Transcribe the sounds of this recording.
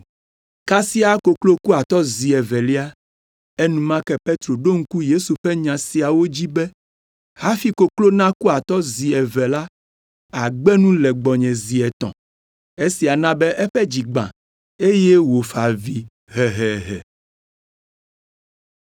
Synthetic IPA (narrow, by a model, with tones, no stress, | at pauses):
ka˦si˦a˨ko˨klo˦ku˦a˨t̪ɔ˦zi˨ɛ˨vɛ˨li˦a˦ | e˦nũ˦mã˦kɛ˦pe˦t̪ɾo˨ɖo˦ŋ̩˦ku˦je˦su˨ɸɛ˦ɲã˨si˨a˨wo˦d͡ʑi˦bɛ˦ | ha˦fi˦ko˨klo˦nã˦ku˦a˨t̪ɔ˦zi˨ɛ˨vɛ˨la˦ | a˨ɡ͡bɛ˦nũ˦lɛ˨ɡ͡bɔ˨ɲɛ̃˨zi˨ɛ˨t̪ɔ̰̃˨ | e˦si˨a˨nã˦bɛ˦ʔɛ˦ɸɛ˦d͡ʑi˨ɡ͡bã̰˨ | e˦je˦wo˨fa˨vi˦ | ɦɛ˨ɦɛ˨ɦɛ̰˨